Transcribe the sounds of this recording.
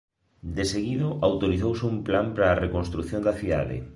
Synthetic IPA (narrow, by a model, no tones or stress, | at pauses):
d̪eseɣiðʊʔawt̪oɾiθowsɪumplampɾaːrekonst̪ɾuθjond̪ɐθiða̰ðɪ̰